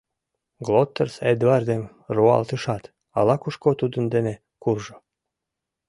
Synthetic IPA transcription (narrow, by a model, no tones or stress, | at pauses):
ɡlot̪ːərsed̪vɑrd̪em | ruɑ̰lt̪əʃɑt̪ | ɑ̰lɑkuʃkot̪ud̪ə̆nd̪ene | kurʒo